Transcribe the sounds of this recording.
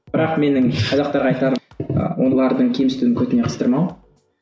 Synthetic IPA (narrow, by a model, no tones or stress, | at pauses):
b̥ɪɾɑqme̞nɪŋqʰɑzɑqt̪ɑɾʁɑjt̪ɑɾwolˠɑɾd̪əɴkʲʰe̞mst̪uwɪŋkʲʰɵt̪ɪne̞qʰə̥st̪əɾmɑw